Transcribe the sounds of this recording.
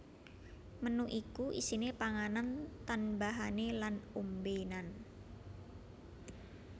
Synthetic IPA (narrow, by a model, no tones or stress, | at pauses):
mənuʔikuʔḭsinepaŋanant̪anbaɦanelanumbenan